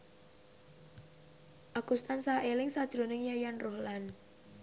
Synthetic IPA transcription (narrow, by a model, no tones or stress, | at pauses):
ʔaɡ̥ust̪ansaʔelɪŋsad̥ʒ̥ɾonɪŋjajanrohlan